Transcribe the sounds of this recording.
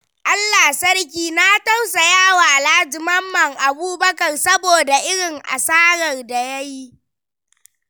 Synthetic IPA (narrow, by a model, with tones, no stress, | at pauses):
ʔa˦lːaː˨sɐ˦rk̬ʲiː˨naː˦tɐ˦wsa˨jaː˦waː˨ʔlaː˦d͡ʒɪ˨mɐ˦mːɐ˦˨ŋʔa˨buː˦bɐ˦kɐ˨rsɐ˦boː˨da˨ʔɪ˦ɽɪ˨ŋʔa̰˨saː˦ɽɐ˨rda˨jɐ˦ji˦ʔ